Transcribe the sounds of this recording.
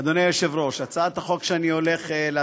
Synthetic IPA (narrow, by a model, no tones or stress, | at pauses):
ad̪onejoʃevʁo̞ʃat͡saat̪aχo̞kʃeanio̞le̞χele